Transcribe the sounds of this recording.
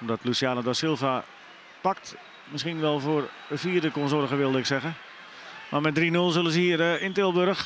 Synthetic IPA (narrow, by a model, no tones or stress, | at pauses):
ɔmdɔtlusjaːnədɔsɪlˠfa | pak̚t | mɪsχinʋɛlˠfoər | əfiːrdəkonsorəɣəʋɪlˠdəɪksɛɣə | marmɛt̚drinølˠsølˠənsəhiərəɪntɪlˠʋøɾəx